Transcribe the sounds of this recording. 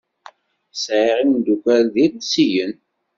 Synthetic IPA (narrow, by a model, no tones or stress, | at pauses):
sʕiʁinnd̪ukʷæɾðiðsijən